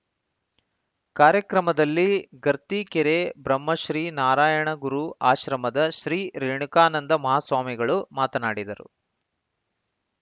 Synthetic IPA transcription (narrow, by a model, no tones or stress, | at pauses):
kaːɾjɐkɾɐmɐd̪ɐlːiɡɐɾt̪ikɛɾeːbɾɐmːɐʃɾiːnaːɾaːjɐɳɐɡuɾuaːʃɾɐmɐd̪ɐʃɾiːɾeːɳukaːnɐnd̪ɐmɐɦaːsʋaːmiɡɐɭumaːt̪ɐnaːɽid̪ɐɾṵ